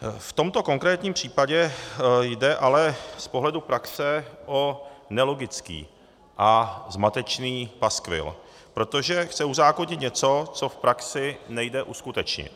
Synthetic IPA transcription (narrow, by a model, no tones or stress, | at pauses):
ft̪o̞mt̪o̞ko̞ŋkɾɛːt̪ɲiːmpr̝̥iːpaɟɛjdɛʔalɛspoɦlɛdupɾaksɛʔonɛlo̞ɡɪt͡skḭː | ʔazmat̪ɛt͡ʃniːpaskvɪ̰l | pɾo̞t̪o̞ʒɛxt͡sɛuzaːkoɲɪt̪ɲɛt͡so̞t͡so̞fpɾaksɪnɛjdɛʔuskut̪ɛt͡ʃɲɪ̰t̪